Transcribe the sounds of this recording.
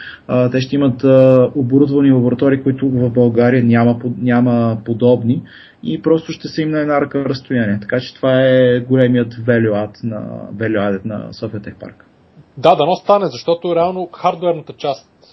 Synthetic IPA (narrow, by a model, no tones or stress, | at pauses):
t̪ɛʃ̬t̪ɛimət̪əoboɾud̪vɐnilˠɐboɾɐt̪ɔɾiːkʊit̪ʊvɐvbɐlˠɡaɾijənʲaməpnʲaməpod̪ɔbni | ipɾɔst̪ʊʃt̪ɛsɛimnɐɛd̪naɾɐkəɾəst̪ʊjaniɛt̪ɐ̥kat͡ʃɛ̥t̪ovaɛɡolɛmiət̪vɛloat̪nɐ̰vɛlʲoad̪ɛt̪nɐ̰sɔfiət̪ɛxpa̰ɾk | d̪ad̪ɐnɔst̪anɛzɐʃt̪ɔt̪ʊɾɛalˠnoxaɾd̪oɛɾnət̪ət͡ʃast̪